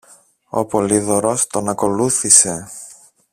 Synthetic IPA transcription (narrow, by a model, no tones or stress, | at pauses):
o̞̰po̞liðoɾo̞st̪o̞nɐko̞luθise̞